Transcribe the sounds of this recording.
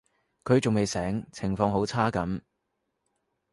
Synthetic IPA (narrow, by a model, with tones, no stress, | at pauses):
kʰɵ˨˧ɥt͡sʊ˨ŋme˨jsɛː˨˥ŋt͡sʰɪ˨˩ŋfɔː˧ŋɦo˨˥wt͡sʰaː˥kɐ˨˥m